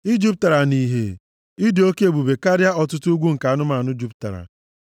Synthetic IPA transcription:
i˦d͡ʒi˦p̚ta˨ɾa˨ni˨ɦḛ˨ | i˦di˨˦o˦ke˦e˨bu˨be˨ka˦ɾja˦ɔ˨tʊ˦tu˦ɡʷu˦ŋ̩˨ka˨a˦nʊ˦ma˨nʊ˦d͡ʒu˦p̚ta̰˨ɾa̰˨

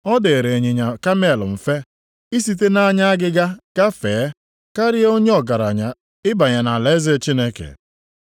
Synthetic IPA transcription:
ɔ˦de˨ɾe˨e˨ɲe˨ɲa˨ka˦me˦˨lʊ̰˨m̩˨fe˦ | i˦si˦t̬e˦na˦ɲa˦a˦ɡɪ˦ɡa˦ka˦feː˨˦ | ka˦ɾɪ˦o˦ɲe˦ɔ˨ɡa˨ɾa˨ɲa˨ | ɪ˦ba˨ɲa˨na˨le˨˦ze˦˨t͡ʃi˦ne˦kḛ˨

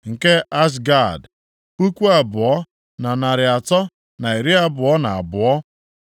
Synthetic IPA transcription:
ŋ̩˨ke˦a˦s̬ɡa˦˨d | u˦kʷu˦a˨bʊ˨ɔ˦ | na˨na˨ɾɪ˨a˨tɔ˦ | na˨i˨ɾi˦a˦bʊ˨ɔ˦na˨a̰˨bʊ˨ɔ˦

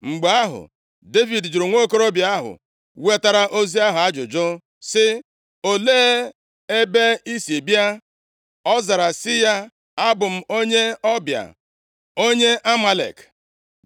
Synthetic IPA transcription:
ŋ͡m̩˨ɡ͡ba˨˦a˦ɦʊ̰˨ | de˦vi˨dd͡ʒu˨ɾʊ˨ŋʷo˦˨ko˦ɾo˦bja˨a˦ɦʊ̰˨ | we˦ta˦ɾa˦ʔo˦zi˦a˦ɦʊ˨a˦d͡ʒʊ̰˨d͡ʒʊ˦ | sɪ˦ | o˦leː˦ | e˦be˦i˦si˨bja˦ | ɔ˦za˨ɾa˨sɪ˦ja˦ | a˦bʊ˨m̩˨o˦ɲe˦ɔ˦bja̰˨ | o˦ɲe˦ʔa˦ma˨lḛ˨k

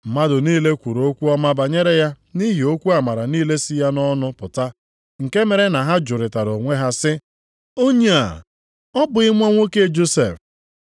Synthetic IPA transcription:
m̩˨ma˦dʊ˨niː˦le˦kʷu˨ɾo˦kʷu˦ɔ˦ma˦ba˨ɲe˦ɾe˦ja˦ | ni˦ɦi˨o˦kʷu˦a˨ma˨ɾa˨niː˦le˦si˦ja˦nɔ˦nʊ˦pʊ˨ta˦ | ŋ̩˨ke˦me˨ɾe˦na˨ɦa˦d͡ʒʊ˨ɾɪ˨ta˨ɾo˨ŋʷe˦ɦa˦sɪ˦ | o˦ɲe˨a̰˨ | ɔ˦bʊ˨ɪ˦ŋʷ˦o˦ŋʷo˦ke˦˨d͡ʒo˦sḛ˨f

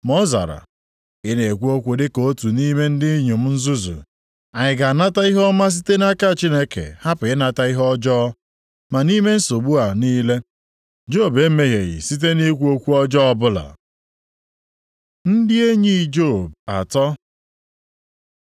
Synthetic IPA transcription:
mɔ˦za̰˨ɾa̰˨ | ɪ˦ne˨kʷu˦o˦kʷe˨de˦ko˦tu˨ni˦me˦n̩˦dɪ˦ɲu˨m̩˦n̩˦zu˦zṵ˨ | a˨ɲɪ˨ɡa˨na˦ta˦i˦ɦɔ˦ma˦s̬i˦te˦na˦ka˦˨t͡ʃi˦ne˦kḛ˨ha˦pʊ˨ɪ˦na˨ta˦i˦ɦɔ˦d͡ʒɔ˦ɔ˦ | ma˨ni˦me˦n̩˦so˨ɡ͡bu˦a˨niː˦le˦ | d͡ʒo˦˨be˦me˦ɦe˨ɣɪ̰˨si˦t̬e˦ne˦kʷu˦o˦kʷu˦ɔ˦d͡ʒɔ˦ɔ˦bʊ˦la̰˨ | n̩˦dɪ˦e˦ɲi˦˨d͡ʒo˦˨b̚a̰˨tɔ˦

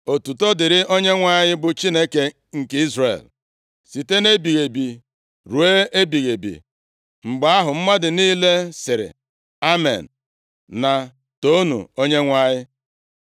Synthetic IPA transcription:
o˨tu˨to˦dɪ˨ɾɪ˦ʔo˦ɲe˦ŋʷa˦ɲɪ˦bʊ˨t͡ʃi˦ne˦ke˨ | ŋ̩˨ke˦i˦zrḛ˨l | si˨te˦ne˦bi˨ɣe˨bi˨ | ɾu˨e˦ʔe˦bi˨ɣe˨bḭ˨ | ŋ͡m̩˨ɡ͡ba˨a˦ɦʊ˨m̩˦ma˦dɪ˨niː˦le˦sɪ˨ɾɪ̰˨ | a˦mḛ˨n̩˨ | na˨ | to˦nṵ˨o˦ɲe˦ŋʷa˦ɲɪ˦

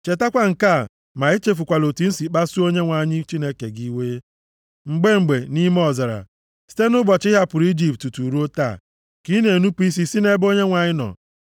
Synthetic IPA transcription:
t͡ʃe˨ta˦kʷa˦ŋ̩˨ka˦˨ | ma˨e˦t͡ʃe˦fu˨kʷa˨lo˨ti˨n̩˦si˨k͡pa˦su˦o˦ɲe˦ŋʷa˨ɲɪ˦t͡ʃi˦ne˦ke˨ɡi˦we˦ | ŋ͡m̩˨ɡ͡be˦ŋ͡m̩˨ɡ͡be˨ni˦m˦ɔ˨za˨ɾa̰˨ | si̥˦te˦nʊ˦bɔ˨t͡ʃɪ˦ɦa˦pʊ˨ɾi˦d͡ʒi˦ptu˨tu˨ɾu˦o˦ta̰˦˨ | ki˦ne˨nu˦pu˦i˦s̬i˦si˦ne˦bo˦ɲe˦ŋʷa˨ɲɪ˦nɔ̰˨

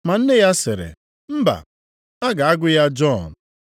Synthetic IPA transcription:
ma˨n̩˦nɪ˦ja˦sɪ˨ɾɪ̰˨ | m̩˦ba̰˨ | a˦ɡa˨a˦ɡʊ˦ja˦d͡ʒɔ˦˨n˨

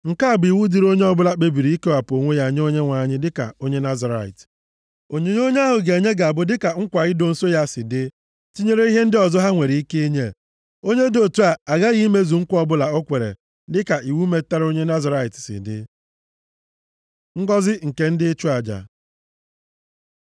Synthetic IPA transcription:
ŋ̩˨ka˦˨bi˨wu˦di˨ɾo˦ɲe˦ɔ˦bʊ˦la˦k͡pe˦bi˨ɾi˨i˦ke˦wa˨po˨ŋʷe˦ja˦˨ɲ˦o˦ɲe˦ŋʷa˨ɲɪ˦dɪ˦ka̰˨o˦ɲe˦na˦za˨ɾa̰˨ɪ̰˨t | o˨ɲe˨ɲ˦o˦ɲe˦a˦ɦʊ˨ɡe˨ɲe˦ɡa˨a˨bʊ˦dɪ˦ka˨ŋ̩˦kʷa˨ɣɪ˦do˦n̩˦so˦ja˦sɪ˨dɪ˦ | ti˦ɲe˦ɾe˦i˦ɦe˦n̩˦dɪ˦ɔ˨zɔ˦ɦa˦ŋʷe˨ɾi˨i˦ke˦i˦ɲe˦˨ | o˦ɲe˦do˦˨tu˦a˨a˨ɣa˦ɣi˦me˦zu˨ŋ̩˦kʷɔ˦bʊ˦la˨o˦kʷe˨ɾḛ˨ | dɪ˦ka˨i˨wu˦me˨ta˦ɾo˦ɲe˦na˦za˨ɾa˦ɪ˨tsɪ̰˨dɪ̰˦ | ŋ̩˦ɡɔ˦zɪ˦ŋ̩˨ke˦n̩˦dɪ˦t͡ʃu˦a˨d͡ʒa̰˨

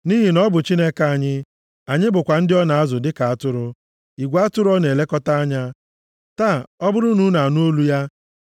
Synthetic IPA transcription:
ni˦ɦi˨nɔ˦bʊ˨t͡ʃi˦ne˦ka˦a˨ɲɪ˦ | a˨ɲɪ˦bʊ˨kʷa˨n̩˦dɪ˦ɔ˦na˨a˦zʊ˨dɪ˦ka˨a˦tʊ˦ɾʊ˦ | i˨ɡʷa˦tʊ˦ɾʊ˦ɔ˦ne˨le˦kɔ˦ta˦a˦ɲa˦ | ta˦˨ɔ˦bʊ˦ɾʊ˦nu˦na˨a˨nʊ˦o˦lu˦ja˦

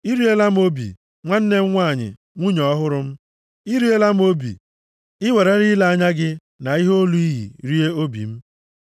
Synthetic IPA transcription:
i˦ɾi˦e˦la˦m̩˦o˦bḭ˨ | ŋʷa˦n̩˦ne˦ŋ̩˦ŋʷaː˦˨ɲɪ̰˨ | ŋʷu˦ɲɔ˨ɔ˦ɦʊ˦ɾʊ˦m̩˦ | i˦ɾi˦e˦la˦m̩˦o˦bḭ˨ | ɪ˦we˨ɾe˦ɾɪ˦la˨a˦ɲa˦ɡɪ˦ | na˨i˦ɦo˦lu˦i˦ɦḭ˨ɾi˦e˦o˦bḭ˨m̩˦

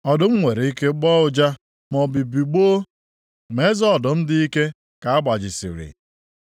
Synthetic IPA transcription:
ɔ˨dʊ˨ŋ͡m̩˦ŋʷe˨ɾe˨i˦ke˦ɡ͡bɔ˦ʊ˦d͡ʒa˦ | mɔ˨bi˨bi˨ɡ͡boː˦ | me˦zɔ˦˨dʊ˨m̩˦dɪ˦i˦ke˦ | ka˨a˦ba˨d͡ʒɪ˨sḭ˨ɾḭ˨

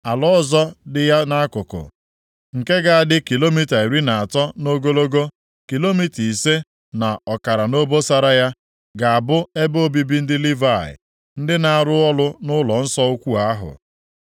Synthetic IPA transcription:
a˨lɔ˦zɔ˦dɪ˨ja˦na˦a˦kʊ˨kʊ̰˨ | ŋ̩˨ke˦ɡa˨a˨dɪ˦ki˨lo˦mi˦ta˨e˨ɾi˦na˨a˨tɔ˦no˦ɡo˦lo˦ɡo˦ | ki˨lo˦mi˦ti˨se˦ | na˨ɔ˨ka˨ɾa˨no˦bo˦sa˦ɾa˦ja˦ | ɡa˨a˨bʊ˦e˦bo˦bi˦bi˦n̩˦dɪ˦li˦va˦˨ɪ̰˨ | n̩˦dɪ˦na˨a˨ɾʊ˦ɔ˦lʊ˦nʊ˦lɔ˨n̩˦sɔ˦u˦kʷu˦a˦ɦʊ̰˨

